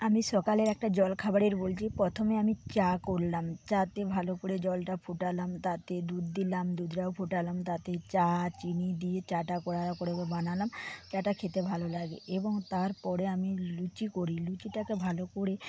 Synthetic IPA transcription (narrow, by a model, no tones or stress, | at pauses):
amiʃɔkaleɾɛk̚ʈad͡ʑɔlkʰabaɽeɾbolt͡ɕʰipɾɔt̪ʰomeamit͡ɕakoɾlamt͡ɕat̪ebʱalokoɽed͡ʑɔlʈapʰuʈalamt̪at̪ed̪uɾd̪ilamd̪ud̪ʱɾaopʰuʈalamt̪at̪et͡ɕat͡ɕinid̪iet͡ɕaʈakoɽakoɽebebanalamt͡ɕaʈakʰet̪ebʱalolaɡḛʔeboŋt̪aɾpɔɾeamilut͡ɕikoɾilut͡ɕiʈakebʱalokoɽe